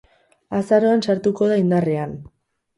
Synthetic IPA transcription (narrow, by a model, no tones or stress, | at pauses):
asaɾo̞ansaɾt̪uko̞ð̞aind̪are̞an